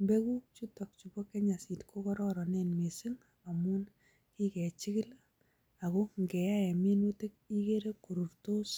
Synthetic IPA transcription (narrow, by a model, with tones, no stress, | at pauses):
mbe˦ku˦t͡ʃu˦tɔ˨k̚t͡ʃu˨bɔ˦ke˦ɲa˨si˨tkʰo˦kɔɾɔɾɔ˨ne˦nme˨sɪ˦ŋ | a˨mu˦n | ki˦kɛ˨t͡ʃɪ˦kɪ˦l | a˨ko˦ŋɡɛ˨ja˦ɛ˨mi˦nu˦te˦k̚i˦ke˦ɾe˦ku˨ɾu˨rto˦s